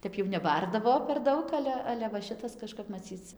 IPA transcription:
ˈtʲɛp jɛʊ nʲɛˈbɐrdɐʋoː pʲɛr ˈdɐʊk ˈɑːlʲɛ ˈɑːlʲɛ ʋɐ ˈʃʲɪtɐs kɐʃˈkɐp mɐˈt͡sʲiːt͡s

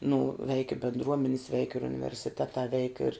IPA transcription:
nʊ ʋʲɛɪk ɪ bʲɛndˈruɔmʲɛnʲɪs ʋʲɛɪk ɪr ʊnʲɪʋʲɛrʲsʲɪˈtʲæːtɑː ʋʲɛɪk ɪr

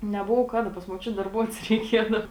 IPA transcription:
nʲɛˈboːʋoː ˈkɑːˌdɐ pɐs muɔˈt͡ʃʲʊt dɐrˈbuɔts rʲɛɪˈkʲiɛdɐʊ

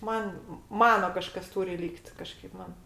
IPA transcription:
ˈmɐn ˈmɑːnoː ˈkɑːʃkɐs ˈtuːrʲɪ ˈlʲiːkt ˈkɑːʃkɐɪp ˈmɐn

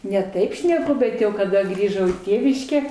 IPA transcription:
nʲɛ ˈtɐɪp ʃʲnʲɛˈkʊ ˈbʲɛt jɛʊ kɐˈdɐ ˈɡrʲiːʒɐʊ iː ˈtʲeːʋʲɪʃʲkʲæː

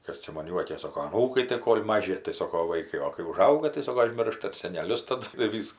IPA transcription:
ˈkɐs t͡ʃʲɛ mɐn ˈjuɔkʲeːs ˈsoːkoː ɐˈnuːkɐɪ tɐɪ ˈkoːlʲ ˈmɑːʒʲɪ tɐɪ ˈsoːkoː ˈʋɐɪkɐɪ oː kɐɪ ʊˈʒɐʊɡɐ tɐɪ ˈsoːkoː ɐˈʒʲmʲɪrʃɐ ɪr sʲɛnʲɛˈlʲʊs tɐˈdʊ ɪr ˈʋʲiːskʊ

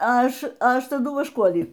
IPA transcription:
ˈɐʃ ˈɐʃ tɐˈdʊ ʋɐʃˈkuɔlʲiː

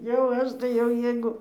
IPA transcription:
jɛʊ ˈɐʃ tɐɪ jɛʊ ˈjɛɪɡʊ

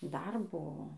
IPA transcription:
dɐr ˈbʊʋoː

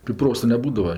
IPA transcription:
tɐɪ ˈproːsɐ nʲɛˈbuːdɐʋɐ

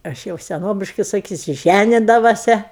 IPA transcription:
ˈɐʃ jɛʊ sʲɛˈnoːbʲɪʃkɐɪ sɐˈkʲiːsʲʊ ˈʒʲænʲɪdɐʋoːsʲɛ

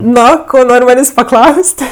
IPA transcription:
ˈnoː ˈkoː ˈnoːrʲ ˈmɑːnʲeːsʲ pɐˈklˠɐʊsʲtʲ

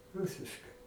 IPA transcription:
ˈrʊsʲɪʃkɐɪ

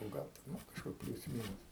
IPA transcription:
nʊ ˈɡɐlˠ tʲɛn ˈnʊ kɐʃˈkʊr ˈpʲlʲuːs ˈmʲiːnʊs

